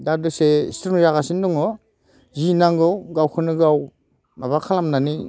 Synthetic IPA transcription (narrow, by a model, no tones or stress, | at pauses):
dadusestɾumzaɡasindɔŋɔ | zinaŋɡɯwɡawkʰɯnɯɡaw | maβakʰalamnani